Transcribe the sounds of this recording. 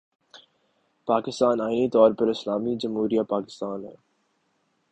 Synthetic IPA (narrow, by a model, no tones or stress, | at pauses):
paːkɪst̪aːnaːɪnit̪ɔːɾpɐɾɪslaːmid͡ʒɐmɦuːɾijapaːkɪ̥st̪aːnɦɛ̰ː